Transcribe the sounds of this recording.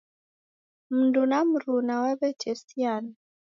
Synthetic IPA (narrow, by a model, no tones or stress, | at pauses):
m̩ndunam̩ɾunawaβɛt͡ʃɛsiani